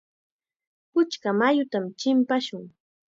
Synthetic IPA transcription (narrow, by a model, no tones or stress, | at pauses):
pʊt͡ʃkamajʊt̪amt͡ʃɪmpaʃʊŋ